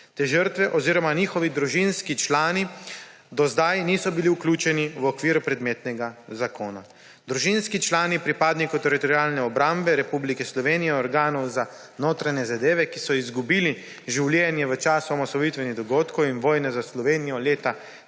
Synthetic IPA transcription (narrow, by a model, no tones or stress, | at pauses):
t̪eːʒəɾt̪ʋɛʔɔziːɾɔmaniːxɔʋid̪ɾuʒinskit͡ʃlaːni | d̪ɔzd̪ajniːsɔbiliuklʲuːt͡ʃɛniʋɔkʋiːɾupɾɛd̪meːt̪nɛɡazakoːna | d̪ɾuʒinskit͡ʃlaːnipɾipaːd̪nikɔwt̪ɛɾit̪ɔɾiaːlnɛɔbɾambɛɾɛpublikɛslɔʋeːnijɛɔɾɡaːnɔwza | noːt̪ɾaɲɛzad̪eːʋɛkisɔizɡubiːli | ʒiwljɛnjɛʋət͡ʃaːsɔɔmɔsɔʋit̪ʋɛniɣd̪ɔɡoːt̪kɔwinʋɔːjnɛzaslɔʋeːnijɔleːt̪a